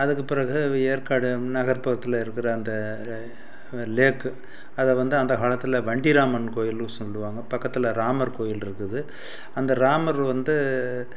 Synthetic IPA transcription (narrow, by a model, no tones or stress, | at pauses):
ɐðɯkːɯpɪɾɐɣɯeːɾkaːɽɯnɐɣɐɾpɐɣɐt̪ːɯlɐɪɾɯkːɪɾɐːnd̪ɐ | leːkːɯ | ɐðɐʋɐnd̪ɯɐnd̪ɐɦaːɭɐt̪ːɯlɐʋɐɳɖiɾaːmɐnkoːjɪlsɔlːɯʋaːŋɡɐpɐkːɐt̪ːɪlɐɾaːmɐɾkoːjɪlɪɾɯkːɯðɯ | ɐnd̪ɐɾaːmɐɾʋɐnd̪ɯ